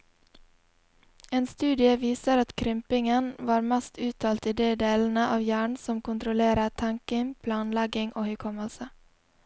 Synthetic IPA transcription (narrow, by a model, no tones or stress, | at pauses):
eːnst̪ʉːd̪ɪəʋiːsəɾɑt̪kʰɾʏmpɪŋənʋɑːɾmɛst̪ʉːt̪ʰɑːlt̪iːd̪eːd̪eːln̩əʔɑːʋjæːɳsɔmkʊnt̪ɾʊleːɾət̪ʰɑŋkɪŋpʰlɑːnlɛɡɪŋʔoːhœkʰɔməlsə